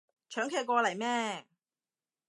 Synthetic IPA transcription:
t͡ʃʰœː˨˥ŋkʰeː˨˧jkʷɔː˧lɐ˨˩jmɛː˥

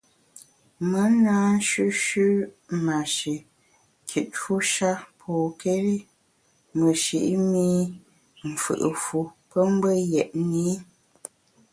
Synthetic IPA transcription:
mə˦naː˦n̩˦ʃʉ˦ʃʉ˦ | ma˨ʃe˨ | kʰi˨t̚fu˦ʃa˦pʰɔː˨ke˦ɾi˦ | mə˨ʃḭ˨ʔmi˦ | m̩˨fɨ̰˨ʔə˨fu˨ | pə˦m̩˦bə˦jɛ˨ʔni˦

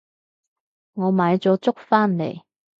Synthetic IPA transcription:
ŋɔː˨˧maː˨˧jt͡sɔː˨˥t͡sʊ˥k̚faː˥nlḛ˨˩j

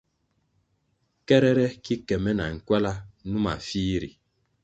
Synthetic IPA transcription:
kɛ˦ɾɛ˦ɾɛ˦ki˦kɛ˨mɛ˦na̰˨ŋ̩˨kwɛ˦la˦nu˦ma̰˨fiː˦ɾi˨

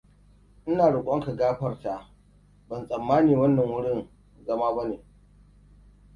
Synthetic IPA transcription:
ʔɪ˦naː˨ɽʊ˨kʷʼɔ˦ŋka˨ɡaː˦ɸɐ˨rta˨ʔ | bɐ˨nsʼɐ˨mːaː˦niː˨wɐ˦nːɐ˨ŋwʊ˦ɽɪ˦˨n | zɐ˦maː˦ba˦neː˨

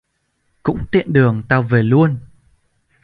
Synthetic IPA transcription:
kʊ̰˧˥ŋ͡mt̪ḭ˧˨ənɗɨ˨˩əŋt̪aː˧˩wve˨˩lu˧ən

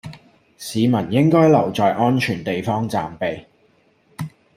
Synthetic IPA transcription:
siː˨˧mɐ˨˩njɪ˥ŋkɔː˥jlɐ˨˩wt͡sɔː˨jʔɔː˥nt͡ʃʰyː˨˩nt̪e˨jfɔː˥ŋt͡sa̰ː˨mpe˨j

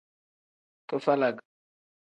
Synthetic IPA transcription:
to˦fa˦la˨ɡ

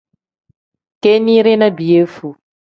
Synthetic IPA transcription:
ke˦ni˦ɾe˦na˦bi˨e˦fu˨

